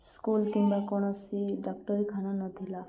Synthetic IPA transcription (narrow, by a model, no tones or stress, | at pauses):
skulkimbakoɽ̃ɔsiɖɔkʈɔɾikʰananɔt̪ʰila